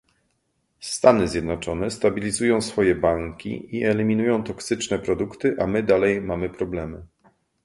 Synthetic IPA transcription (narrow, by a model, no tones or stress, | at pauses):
st̪anɘzʲjɛd̪nɔt͡ʂɔnɛst̪abʲilʲizujɔ̃w̃sfɔjɛbaŋkʲḭiɛlʲimʲinujɔ̃w̃t̪ɔksɘt͡ʂnɛpɾɔd̪ukt̪ɘʔamɘd̪alɛjmamɘpɾɔblɛmɘ